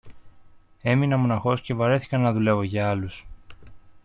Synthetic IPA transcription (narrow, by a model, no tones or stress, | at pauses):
e̞minɐmo̞nɐxo̞sce̞vɐɾe̞θi̥kɐnːɐðule̞vo̞ʝɐɐlus